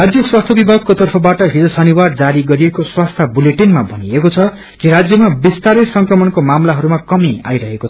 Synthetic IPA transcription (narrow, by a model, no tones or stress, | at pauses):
rad͡zjʌswast̪ʰʌbibʱaɡ̚kot̪ʌrpʰʌbaʈʌɦid͡zʌsʌniward͡zaɾiɡʌɾiekoswast̪ʰabuleʈinmabʱʌniekot͡sʰʌ | kiɾad͡zjʌmabist̪aɾʌjsʌŋkrʌmʌnkomamlaɦʌɾumakʌmia̰jɾʌɦekot͡sʰʌ